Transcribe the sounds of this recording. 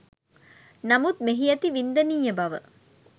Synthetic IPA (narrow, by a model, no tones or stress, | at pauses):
namut̪̚meɦijɐt̪iʋind̪əniːjəbɐʋə